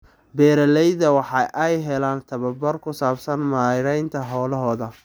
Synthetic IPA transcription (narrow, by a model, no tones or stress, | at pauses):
bɛːɾɐlɛjðɐwɑħɑʔɛjɦɛlaːnt̪ʰɐβɐbɐrkʰʊsaːbsɐnmaːɾɛjnt̪ʰɐɦɔːlɐɦɔːðɐ